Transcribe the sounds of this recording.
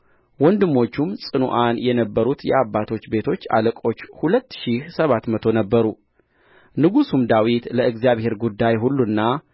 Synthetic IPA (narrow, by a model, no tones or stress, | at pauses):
wɔnd̪ɨmːo̞t͡ʃːumsʼɨnṵʔanjɛnəbːəɾut̪jɛ̰abːat̪ʰo̞t͡ʃːbe̞t̪ʰo̞t͡ʃːa̰ləkʼo̞t͡ʃːhulət̪ːʃihsəβat̪mət̪ʰo̞nəbːəɾu | nɨɡusumd̪awit̪ləɨɡzijaβhe̞ɾɡud̪ːajɦulːunːa